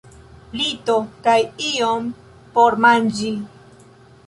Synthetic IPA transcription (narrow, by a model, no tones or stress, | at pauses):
lit̪okajiom | poɾmand͡ʒi